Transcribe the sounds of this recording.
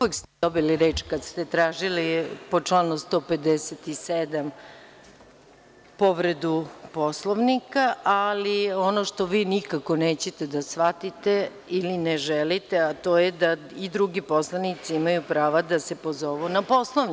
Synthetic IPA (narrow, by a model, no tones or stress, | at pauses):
ekst̪ed̪obiliɾeːt͡ʃkad̪st̪e̞t̪ɾaːʒilipot͡ʂlaːnust̪o̞ped̪eset̪ised̪am | po̞ʋɾe̞d̪upo̞slˠoʋnikaʔalio̞no̞ʃt̪o̞ʋiːnikako̞neːt͡ɕe̞t̪e̞d̪asʋat̪it̪e | ilineʒɛlit̪eat̪o̞ːjed̪a | id̪ɾuɡipo̞slˠanit̪siimajupɾaːʋad̪asepo̞zo̞ʋunapo̞slˠoʋni